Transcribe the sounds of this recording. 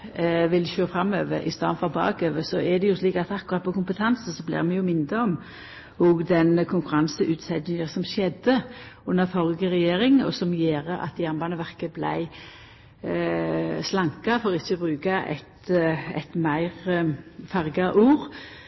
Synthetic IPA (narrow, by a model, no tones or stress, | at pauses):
ʋɪlɕøːʁfʁɑmø̰ːʋəʔɪ̰st̪ɑ̰ːnfɔʁbɑ̰ːɡøːʋəsɔɛd̪ɛjʊsliːkɑt̪ɑkːʊʁɑt̪̚pʰɔkʊmpət̪ʰɑnsəsɔblɪ̰ːʁmɛjʊmɪnd̪əɔm | hʊɡd̪ɛnkʰʊŋkʉɾɑnsəʔʉːt̪sɛd̪nɪŋəsɔmʃɛd̪əʊnːəfɔʁɡəʁɛjeːɾɪŋɔ̰sɔmjeːʁəʔɑ̰t̪̚d̪jæʁnbɑnəʋæʁkəblæ̰ɪ | slɑŋkɑfɔʁɪçːəbʁʉːkɑʔɛ̰t̪ɛ̰t̪mæɪʁfɑʁɡɑʔuːɾ